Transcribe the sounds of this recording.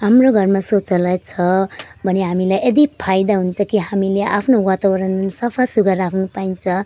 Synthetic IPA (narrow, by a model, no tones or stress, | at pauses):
ɦamroɡʱʌrmasot͡sʌlat͡sʰʌ | bʱʌneɦamilajed̪ipʰajd̪aɦunt͡sʰʌkiɦamileʔa̰pʰnowat̪abʌɾʌnsʌpʰasuɡʱʌɾakʰnupaint͡sʰʌ